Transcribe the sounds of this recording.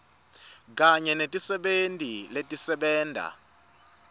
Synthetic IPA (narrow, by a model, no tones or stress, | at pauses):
k̬ʼaɲɛnetʼisɛɓentʼiletʼisɛɓɛːndʱa̰